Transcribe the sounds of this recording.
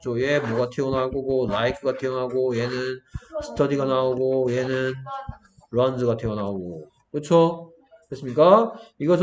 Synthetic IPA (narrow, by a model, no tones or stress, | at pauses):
t͡ɕʰoje̞moɡatʰeonɦaɡoɡolaikʰɯɡatʰeonɦaɡoje̞nɯnsʰɯ̥tʰʌdiɡanaoɡojenɯn | ɾoandɯɡatʰeonaoɡo | kɯt͡ɕʰo | kes͈ɯmɲik͈aiɡʌs